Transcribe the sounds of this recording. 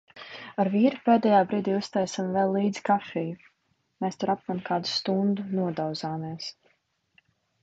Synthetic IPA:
aɾviːɾupeːd̪ɛjaːbɾiːd̪iːust̪ajsamvɛlːiːd̪zi̥kafɛju | meːst̪ɔɾap̚mankaːd̪u̥st̪und̪unuɔd̪awzaːmiɛs

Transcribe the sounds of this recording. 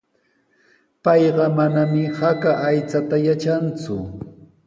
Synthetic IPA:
pɑjɢɑmanamɪhakaʔːjt͡sat̪ajat͡ʃant͡sʊ

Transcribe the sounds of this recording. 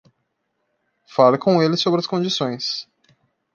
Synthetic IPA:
falɪkõw̃elɪsobɾɪɐskõd͡ʒisõj̃s

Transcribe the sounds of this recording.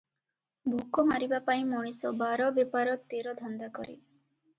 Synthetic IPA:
bʱukɔmaɾibapaĩmɔɽ̃isɔbaɾɔbjɔpaɾɔt̪eɾɔd̪ʱɔnd̪akɔɾḭ

